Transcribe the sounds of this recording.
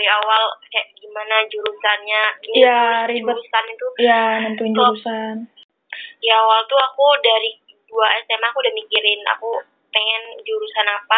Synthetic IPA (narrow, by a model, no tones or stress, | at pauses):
iawalkajaʔɡimanad͡ʒuɾusanɲanijaɾid͡ʒbuaɾusanit̪ujanənt̪uɪntd͡ʒuɾusan | diawalt̪uakudaɾi | duaɛst̪ɛmakudəmikiɾɪna̰ku | peŋɛnd͡ʒuɾusanapa